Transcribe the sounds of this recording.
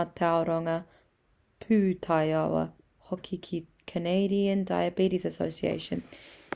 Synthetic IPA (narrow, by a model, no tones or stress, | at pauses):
atʰaʊɾɔŋə | pʰʉːtʰaɪawə̰ | hɔkʰikʰi | kʰəneɪɾiə̃nda̰ɪəbiˑɾisəsoʊsiḛɪʃə̃n